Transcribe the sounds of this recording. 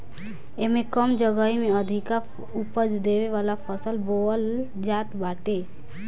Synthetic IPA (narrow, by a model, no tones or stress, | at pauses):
emẽkəmd͡ʒəɡəimẽəd̪ʱika | upəd͡ʒd̪eːʋeʋaːlapʰəsəlboəl | d͡ʒaːt̪baːʈeː